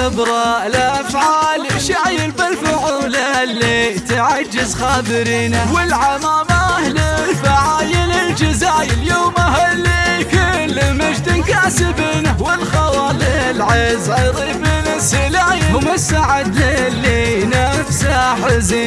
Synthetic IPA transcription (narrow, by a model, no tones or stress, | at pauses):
abɾˤɑʔlaʔfʕaːlʃaʕjɪlbalfaʕʊwlalːet̪ɪʕad͡ʒːɪzxabɨɾiːnawɪlʕamaːmahlɪlfaʕaːjɪlɪld͡ʒɪzaːjɪljoːmahalːikʊlːmad͡ʒd̪ɪnkaʕsɪbɪnawɪlxɑwɑlɪlʕɪzʕɑjɾˤiːbɪnasɪlaʕjɪʊmasaʕɪd̪lɪlːenafsaħɪzi